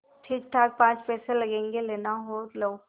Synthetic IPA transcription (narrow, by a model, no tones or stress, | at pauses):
ʈʰiːk̚ʈ̪ʰaːk̚pãːt͡ʃpɛːselɐɡẽːŋɡeleːnaɦolə